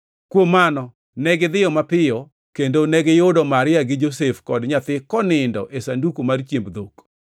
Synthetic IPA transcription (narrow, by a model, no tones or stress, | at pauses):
kwomːanɔ | nɛɡɪd̪ɪjɔmapɪjɔ | kendonɛɡɪjʊdɔmaɾɪaɡɪd͡ʒosefkɔdɲat̪ɪkɔnɪndɔʔesandukomart͡ʃjembd̪ok